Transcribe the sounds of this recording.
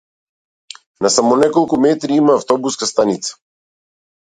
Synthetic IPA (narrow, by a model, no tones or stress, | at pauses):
nasamɔnɛkɔlˠkumɛt̪ɾiimaːft̪ɔbuskast̪anit̪sḁ